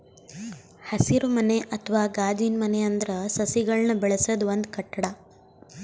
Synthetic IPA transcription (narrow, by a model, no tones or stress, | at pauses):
hɐsiɾumɐneʔɐt̪ʰɐʋaːɡaːd͡ʒiːnmɐneɐnd̪ɐɾɐsɐsiɡɐɭnɐbɛɭɐsɐd̪uʋond̪kɐʈːɐɽɐ